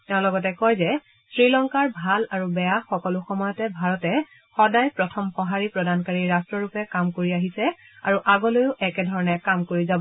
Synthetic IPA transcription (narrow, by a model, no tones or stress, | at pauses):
tɛʊ̃lɔɡɔtɛkɔjzɛ | sɹilɔŋkaɹbʱalaɹubɛjaxɔkɔlʊxɔmɔjɔtɛbʱaɹɔtɛ | xɔdajpɹɔtʰɔmxɔɦaɹipɹɔdankaɹiɹastɹɔɹupɛkamkoɹiaɦisɛaɹuʔaɡɔlojʊʔɛkɛdʱɔɹɔnɛkamkoɹizabɔ